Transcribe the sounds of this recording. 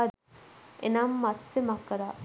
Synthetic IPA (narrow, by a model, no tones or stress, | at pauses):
ḛnamːat̪semakːɐɾa